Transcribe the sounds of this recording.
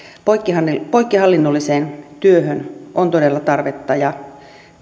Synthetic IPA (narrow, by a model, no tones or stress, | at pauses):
pokːihɑipoijkːihɑlːinːolːiseːnt̪yøhønʔont̪odelːɑt̪ɑrʋet̪ːɑjɑ